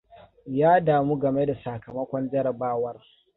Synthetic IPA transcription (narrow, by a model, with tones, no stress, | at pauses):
jaː˦daː˨mu˦ɡɐ˨me˦da˨sa˨kɐ˨mɐ˦kʷɔ˦nd͡ʒɐ˦ɾɐ˨baː˦wɐ˦r